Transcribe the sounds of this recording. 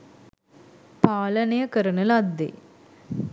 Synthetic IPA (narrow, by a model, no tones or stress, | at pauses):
paːlənejəkəɾənəlad̪ːḛ